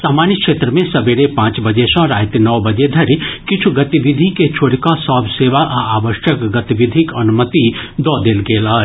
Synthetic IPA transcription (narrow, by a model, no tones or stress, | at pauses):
saːmaːnjəkʃeːt̪ɾəmẽsɐbeɾepãːt͡ʃbɐd͡ʒesãɾaːt̪nɐʋbɐd͡ʒed̪ʱɐɾkɪt͡ʃʰuɡɐt̪iʋid̪ʱiket͡ʃʰoːɽikasɔːbʱseːʋaʔaaːʋəʃjəkɡɐt̪iʋid̪ʱikɐnumət̪id̪ɔːd̪eːlɡeːlaːɦe